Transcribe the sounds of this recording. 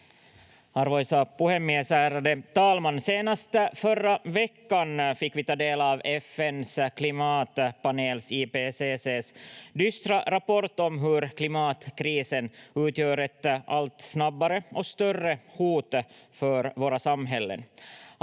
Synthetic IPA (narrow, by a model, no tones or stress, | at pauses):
ɑɾvɔjsapʊhɛmɪɛsæːɾad̪ət̪ɑːlmanseːnast̪fœɾːavɛkːanfɪkːvɪt̪ɑːd̪eːlɑːvɛfɛnskʰlɪmɑːt̪paneːlsiːpeseːseːsd̪ʏst̪ɾaɾapɔɾt̪ɔmɦɵɾkʰlɪmɑːt̪kʰɾiːsənʉːt̪jøːɾɛt̪alt̪snabːaɾəɔst̪œrːəhuːt̪fœɾvoːɾasamːɦɛlːə̰n